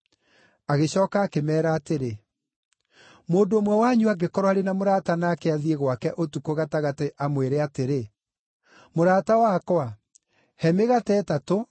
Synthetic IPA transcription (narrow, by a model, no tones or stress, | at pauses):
aɣeɕɔːkaːkemɛːɾaːteɾe | moːdoːmwɛwaɲuaɡekɔɾwaɾenamoɾaːtanaːkeaðieɣwakɛʔotukoɣataɣateʔamweɾeateɾe | moɾaːtawakwa | hɛmeɣatɛːtato